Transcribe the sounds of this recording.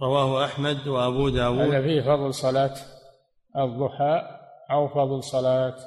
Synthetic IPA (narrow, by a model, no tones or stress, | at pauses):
ɾˤɑwaːhʊʔaħmad̪waʔabuːd̪aːwuaðafiːhfɑðˤlsˤɑlaːt̪ | ɨðˤːʊħaːʔʔawfɑðˤlsˤɑlaːt̪